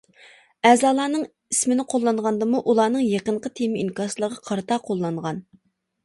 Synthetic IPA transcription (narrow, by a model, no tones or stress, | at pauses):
ɛːzɑːlˠɑːnɨŋ | ismɪnɪqʰolˠːɑɴʁɑnd̪ɨmuʔulˠɑːnɨŋjeqəɴqət̪ʰemɪinkɑslˠəʁɑqʰɑɾt̪ʰɑqʰolˠːɑɴʁɑn